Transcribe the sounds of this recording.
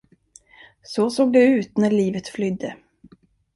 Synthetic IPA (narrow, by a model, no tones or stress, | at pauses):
sɔsoːɡ̚d̪ɛʉ̟ːt̪næɭiːvət̪flʏd̪ːə